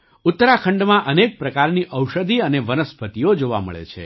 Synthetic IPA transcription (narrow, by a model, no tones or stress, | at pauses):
ʊt̪ːəɾakʰəɳɖmãʔənek̚pɾəkaɾniʔəwʃəd̪ʱiəneʋənəspʰət̪iod͡ʒoʋa̰mə̰ɭḛt͡ʃʰḛ